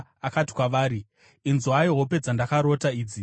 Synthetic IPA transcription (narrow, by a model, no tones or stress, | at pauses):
akati̥kwaʋaːɾi | inzuajiɦope̞d͡zandakaɾotaiːd͡zi